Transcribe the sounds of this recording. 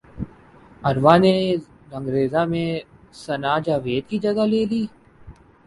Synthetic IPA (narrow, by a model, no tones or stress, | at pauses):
ɐɾʋane | ɾɐ̃ŋɡɾeːzamẽsɐnaːd͡ʒaːʋeːd̪kid͡ʒɐɡaleːliː